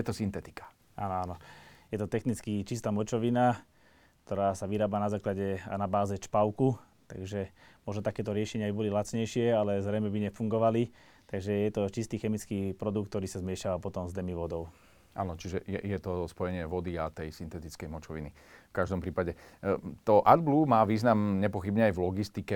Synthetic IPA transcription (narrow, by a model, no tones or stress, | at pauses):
jɛt̪ɔsint̪ɛt̪i̥kḁ | ʔa̰ːnɔanɔjɛt̪ɔt̪ɛxnit͡skit͡ʃist̪aːmɔt͡ʃɔʋina | k̚t̪ɔɾaːsaʋiɾaːbanazaːklaɟɛa̰nabaːzɛt͡ʃpaʊku | t̪a̰ɡʒɛmɔʒnɔt̪akɛːt̪ɔɾɪɛʃɛɲɪabibɔlilat͡sɲɛjʃɪɛalɛzɾɛjmɛbiɲɛfuŋɡɔʋali | t̪aɡʒɛjɛt̪ɔt͡ʃist̪iːxɛmit͡skiːpɾɔd̪uk̪̚t̪ɔɾiːsazmɪɛʃaʋapɔt̪ɔmzd̪ɛmiʋɔd̪ɔʊ | ʔa̰ːnɔt͡ʃiʒɛjɛ̰jɛt̪ɔspɔjɛɲɪɛʋɔd̪iat̪ɛjsint̪ɛt̪it͡skɛjmɔt͡ʃɔʋḭni | fkaʒd̪ɔmpɾiːpaɟɛt̪ɔʔad̪blumaːʋiːznamɲɛpɔxibɲɛajvlɔɡist̪ikɛ